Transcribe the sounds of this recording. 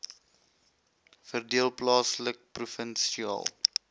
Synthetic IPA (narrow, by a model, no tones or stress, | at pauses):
fərdiəlˠplɑːslək̚prufənsiɑ̰ːlˠ